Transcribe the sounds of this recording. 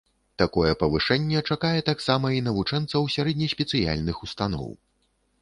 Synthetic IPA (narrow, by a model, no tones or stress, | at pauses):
t̪akɔjɛpɐvɨʂɛnʲːɛt͡ʂakajɛt̪aksamɐin̪ɐvut͡ʂɛnt̪sɐwsʲaɾɛd̪ʲnʲɐsʲpʲɛt̪sɨja̰lʲnɨxust̪anɔ̰w